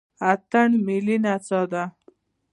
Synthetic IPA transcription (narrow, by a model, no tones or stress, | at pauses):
at̪aɳmilinat͡sɔd̪a